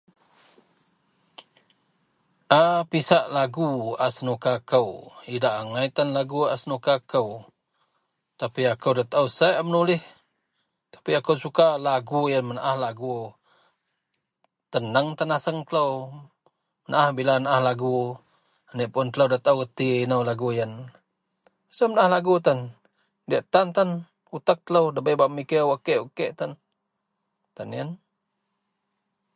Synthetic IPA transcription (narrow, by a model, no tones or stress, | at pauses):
ʔapisaʔlaɡuasənukakəwidaʔaŋait̪anlaɡuasənukakəw | t̪apiakəwdat̪əwsaʔmənulɪh | t̪ḁpiakəwsukalaɡujanmənaʔahlaɡu | t̪ənəŋt̪anasəŋt̪ələw | mənaʔahbilanaʔahlaɡu | aneʔpʊnt̪əlowdat̪awkət̪inəwlaɡujən | asəmənaʔahlaɡut̪an | diaʔt̪ant̪an | ut̪ak̚t̪ələwdəbəjbaʔəmikəwakeʔukeʔt̪an | t̪anjən